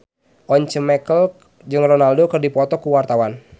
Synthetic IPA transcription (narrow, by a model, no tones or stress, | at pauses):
ʔɔɲt͡ʃəmɛkəl | d͡ʒɨŋrɔnaldokɨrdipɔt̪ɔkuwart̪awan